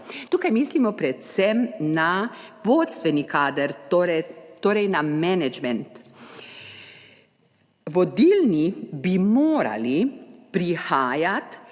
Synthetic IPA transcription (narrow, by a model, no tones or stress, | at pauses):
t̪uːkajmiːslimɔpɾɛt̪sɛmnaʋoːt̪st̪ʋɛnikʰaːd̪əɾt̪oːɾɛjt̪oːɾɛjnamɛnɛd͡ʒmɛnt̪ | ʋɔd̪ilnibimoːɾa̰lipɾixaːjat̪